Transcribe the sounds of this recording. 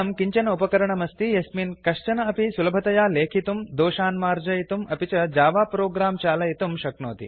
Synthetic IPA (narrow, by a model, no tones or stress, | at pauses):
ɐmkiɲt͡ʃɐnɐupɐkɐɾɐɳɐmɐst̪ijɐsminkɐʂt͡ʃɐnɐɐpisulɐbʱɐt̪ɐjaːleːkʰit̪umd̪oːʃaːnmaːɾd͡ʒɐjit̪umɐpit͡ʃɐd͡ʒaːʋaːpɾoːɡɾaːmt͡ʃaːlɐjit̪umʃɐknoːt̪ḭ